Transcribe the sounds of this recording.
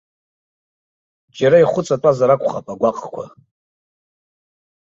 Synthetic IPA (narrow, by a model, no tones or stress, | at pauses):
d͡ʒaɾaiχʷʊt͡sʼatʼazaɾakʷʰʼχapʼaɡʷaqʼkʷʰa̰